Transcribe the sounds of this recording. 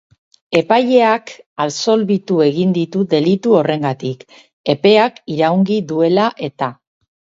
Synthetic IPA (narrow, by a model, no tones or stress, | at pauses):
e̞paje̞akalso̞lβit̪ue̞ɣ̞ind̪it̪uðe̞lit̪uo̞re̞ŋɡat̪ik | e̞pe̞akiɾawŋɡiðue̞laʔe̞t̪a